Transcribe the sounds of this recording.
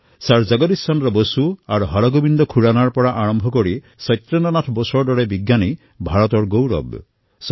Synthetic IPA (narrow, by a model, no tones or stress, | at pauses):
saɾd͡ʒaɡɔt̪istanɾɔbosuaɾɦaɾɔɡobind̪ɔkʰuɽanaɾpɔɽaʔaɾɔmbʱɔkɔɾi | sɔjt̪ːɾɔnanatʰbɔsɔɾdɔɾebiɡjani | bʱaɹɔt̪ɔɾɡowɾɔ̰b | s